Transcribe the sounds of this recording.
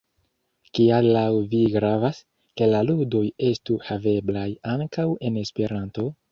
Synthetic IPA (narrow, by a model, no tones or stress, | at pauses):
kialːawviɡɾavas | ke̞laludo̞je̞stuhave̞blajaŋkawe̞ne̞spe̞ɾanto̞